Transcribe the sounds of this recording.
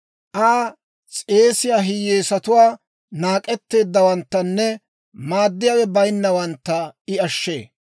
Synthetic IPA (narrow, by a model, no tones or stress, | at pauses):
ʔaː | t͡sʼe̞ːsɪjaːɦɪjeːsɐt̪ʊwaː | naːkʼɛt̪ːe̞ːd̪ːɐwɐnt̪ːɐnːɛ | maːd̪ːɪjawɛbɐjnːɐwɐnt̪ːɐɪɐʃːe̞ː